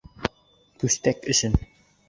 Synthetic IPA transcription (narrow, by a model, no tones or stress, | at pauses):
kʉst̪ækɵ̆ʃɘn